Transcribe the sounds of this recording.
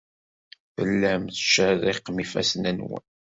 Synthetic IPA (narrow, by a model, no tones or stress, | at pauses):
θə̰lːæmθʃərːɪqmifæ̰snænwə̰n